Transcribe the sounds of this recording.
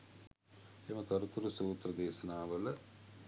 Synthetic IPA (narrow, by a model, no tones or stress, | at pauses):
emɐt̪ɐɾut̪uɾusuːt̪ɾɐd̪eːʃɐnaːʋələ